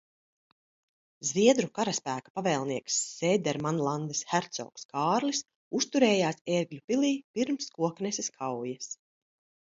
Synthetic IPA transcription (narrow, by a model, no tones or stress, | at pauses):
zviɛd̪ɾukaɾaspæːkḁpavɛːlˠniɛksːɛːd̪ɛɾmanlˠand̪ɛshæɾt̪sɔ̰ːkskaːɾlis | ust̪uɾɛːjaːsɛːɾɡlʲupilˠiːpiɾmskuɔknɛsiskʰawjɐs